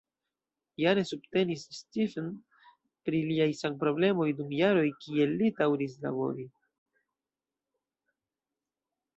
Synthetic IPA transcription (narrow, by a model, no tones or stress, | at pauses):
jane̞sub̚te̞nisːtifen | pɾiliajsanpɾo̞ble̞mo̞jdumjaɾo̞jkie̞lːidawɾis̬la̰bo̞̰ɾi